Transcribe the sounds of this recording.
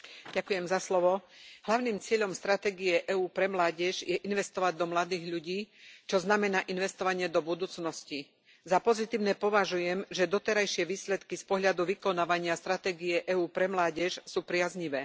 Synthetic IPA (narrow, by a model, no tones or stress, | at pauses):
ɟakujɛmzaslɔʋɔɦlaʊniːmt͡sɪɛʎɔmst̪ɾat̪ɛːɡiɛʔɛuːpɾɛmlaːɟɛʒjɛʔinʋɛst̪ɔʋaɟ̚d̪ɔmlad̪iːɣʎuɟiːt͡ʃɔznamɛnaːʔinʋɛst̪ɔʋaɲɪɛd̪ɔbud̪uːt͡snɔsci | zapɔzit̪iːʊnɛːpɔʋaʒujɛmʒɛd̪ɔt̪ɛɾajʃɪɛʋiːslɛt̪kispɔɦʎad̪uʋikɔnaːʋaɲɪast̪ɾat̪ɛːɡijɛʔɛuːpɾɛmlaːɟɛʃsuːpɾɪazɲiʋɛː